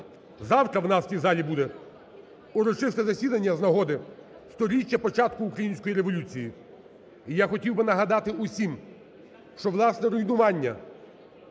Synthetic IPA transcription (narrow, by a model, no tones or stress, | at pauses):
zɑwt̪ɾɐwnɑst̪ʲijzɑlʲibud̪ɛ | uɾɔt͡ʃɪst̪ɛzɐsʲid̪ɐnʲːɐznɐɦɔd̪ɪ | st̪ɔɾʲit͡ʃʲːɐpɔt͡ʃɑt̪kʊːkɾɐjinʲsʲkɔjiɾeʋɔlʲut͡sʲiji | ijaxɔtʲiwbɪnɐɦɐd̪ɑt̪ɪʔusʲim | ʃt͡ʃɔʋlˠɑsnɛɾʊjnʊʋɑnʲːɐ̰